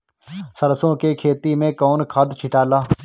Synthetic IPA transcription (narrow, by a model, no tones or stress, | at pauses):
səɾsõkekʰeːt̪imẽkɔːnkʰad̪t͡ʃʰɪʈaːlaː